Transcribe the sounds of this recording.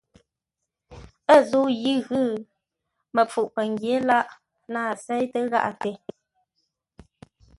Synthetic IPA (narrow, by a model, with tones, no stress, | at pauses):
ə˦˨zu˦ji˦ɣɯ˦ | mə˨p͡fu˨ʔpə˨ŋɡje˨˦la˦ʔ | naː˦˨sɛ˦jtə˦ɣa̰˦ʔa˨te˨